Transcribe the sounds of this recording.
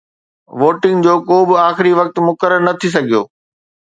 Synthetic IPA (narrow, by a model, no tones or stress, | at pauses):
ʋoːʈɪ̃ŋɡd͡ʑoːkoːbɪaːxɪɾiʋɐk̚t̪mʊkəɾəɾnɐt̪ʰis̬ɐɡʱijo̰ː